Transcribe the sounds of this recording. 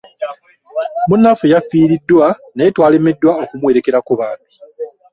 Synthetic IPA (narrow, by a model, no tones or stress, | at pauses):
munːafujafiːɾidːwanajetwaːlemːidːwao̞kumwe̞ːɾe̞ke̞ɾakuβaːni